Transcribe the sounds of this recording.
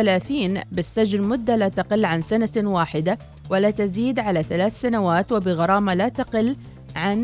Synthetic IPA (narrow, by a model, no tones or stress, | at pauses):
alaːθiːnbɪsːad͡ʒnmʊd̪ːalaːt̪aqɪlːʕansanawaːħɪd̪a | walaːt̪aziːd̪ʕalaθalaːθsanawaːt̪wɪbɪɣɑɾˤɑːmalaːt̪aqɪlː | ʕan